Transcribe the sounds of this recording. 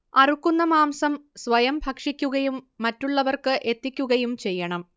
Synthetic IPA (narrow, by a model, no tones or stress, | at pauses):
ɐrukːunːɐmaːmsɐmsʋɐjɐmbʱɐkʂikʲːuɣɐjumːɐtːuɭːɐʋɐrkɨʔe̞t̪ːikʲːuɣɐjumt͡ɕe̞jːɐɳɐm